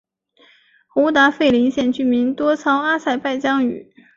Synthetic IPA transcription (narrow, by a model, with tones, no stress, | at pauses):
xu˧˥t̪a˧˥fe˥˩ɪli˧˥nɕjɛ˥˧nt͡ɕy˥˩mi˧˥nt̪wɔ˥t͡sʰɑ˥ʊa˥sa˥˧ɪpa˥˩ɪt͡ɕjɑ˥ŋy̰˨˩˦